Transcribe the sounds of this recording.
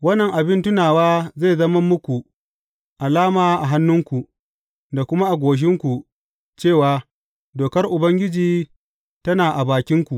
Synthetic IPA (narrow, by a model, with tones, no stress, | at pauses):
wɐ˦nːɐ˨ŋʔa˨bɪ˦ntʊ˦naː˨waː˦ze˦˨zɐ˦mɐ˦mːʊ˦kʷu˨ | ʔa˨laː˦maː˨ʔa˨ɦa˦nːʊ˦ŋkʷu˨ʔ | da˨kʷʊ˦ma˦ʔa˨ɡʷoː˨ʃ̬ɪ˦ŋkʷu˨ | t͡ʃeː˦˨waː˦ | doː˨kɐ˦rʔʊ˨bɐ˦ŋɡʲɪ˦d͡ʒiː˨ | tɐ˦naː˨ʔa˨baː˨kʲɪ˦ŋkʷu˨ʔ